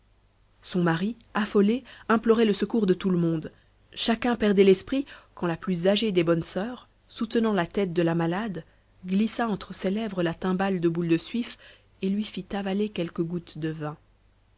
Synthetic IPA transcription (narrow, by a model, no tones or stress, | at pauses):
sɔ̃maʁi | afɔleɛ̃plɔʁɛləsəkuʁd̪ət̪uləmɔ̃d̪ | ʃakʲɛ̃pɛʁd̪ɛlɛspχikɑ̃laplyzaʒed̪ebɔnsœːʁ | sut̪ənɑ̃lat̪ɛt̪̚d̪əlamalad̪ | ɡlisaɑ̃t̪χəselɛvʁəlat̪ɛ̃bald̪əbuld̪əsɥif | elɥifit̪avalekʲɛlkəɡut̪d̪əvɛ̃